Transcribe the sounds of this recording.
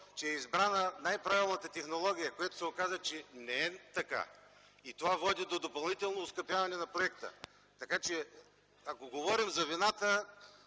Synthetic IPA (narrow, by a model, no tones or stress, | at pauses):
t͡ʃɛːizbɾanənajpɾavilˠnət̪ət̪ɛxnolˠɔɡ̟ʲijəkojat̪o̥sɛokazət͡ʃɛnɛɛt̪ɐka̰ | it̪ovavɔd̪id̪od̪opɐlˠnit̪ɛlˠnoːskɐpʲjavɐnɛnɐpɾoɛkt̪ə̰ | t̪ɐkat͡ʃɛ | akoɡovɔɾimzɐvinat̪ə